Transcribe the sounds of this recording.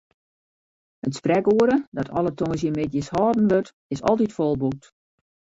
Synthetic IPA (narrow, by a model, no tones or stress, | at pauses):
ətsprɛkuəɾədɔtʰɔ̰lˠətʰoŋəs̬jəmɪtjəshɔːdən̩ʋørt | ɪsɔ̰lˠtitfolˠbuk̚t